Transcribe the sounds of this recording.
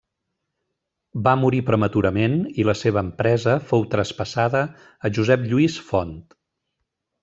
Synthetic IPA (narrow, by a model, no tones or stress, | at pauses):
bamuɾipɾəmət̪uɾəmeniləseβəːmpɾɛzəfowt̪ɾəspəsaðəː | ʒuzɛpʎuisfɔnt̪